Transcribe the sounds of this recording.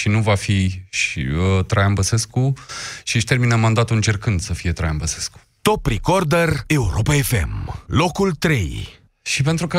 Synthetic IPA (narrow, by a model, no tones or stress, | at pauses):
ʃinuvafiʃḭət̪ɾajambəse̞skuʃiʃt̪e̞rminamand̪at̪ulɨnt͡ʃe̞rkɨnd̪səfije̞t̪ɾajambəsesku̥t̪opːɾikord̪ere̞uɾʔo̞paefḛmlo̞kult̪ɾe̞̰j | ʃipe̞nt̪ɾukə